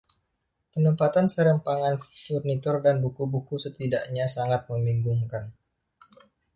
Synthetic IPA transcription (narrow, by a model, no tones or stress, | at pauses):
pənəmpat̪ansəɾəmpaŋanfurnit̪ɔrdanbukubukusət̪idaʔɲasaŋat̪̚məmiŋɡuŋkan